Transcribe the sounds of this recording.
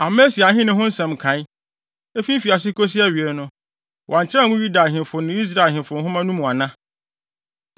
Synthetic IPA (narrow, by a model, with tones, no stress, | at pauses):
a˨me˦si˨a˨ɦɪ̃˦nʊ̃˦ɦʊ̃˦n̩˦sɛ̃˨mkʰã˨˦ | e˦fĩ˦m˦fi˨a˨s̬ɪ˦ko˦s̬i˦a˦ɥi˨ɛ˨˦nʊ̃˦ | wʔɔ˨a˨ɲ˨t͡ɕʰɪ˦a˦˨ŋʊ̃˦ju˦da˨ɦɪ̃˨mfʊ˨nʊ̃˦i˦s̬ɾa˦˨ɦɪ̃˨nfʊ˨nɦʊ̃˦mã˦nũ˦mũ˨a˨nã˦